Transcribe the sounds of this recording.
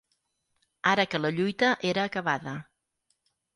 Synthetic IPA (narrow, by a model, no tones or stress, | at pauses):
aɾəkələʎujt̪əʔeɾəːkəβaðə